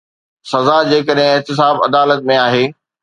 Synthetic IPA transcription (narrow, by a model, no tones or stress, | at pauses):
sɐzad͡ʑeːkəɗɦɪ̃ɪɦt̪ɪs̬aːbɐ̰d̪aːlət̪̚mẽaːɦeː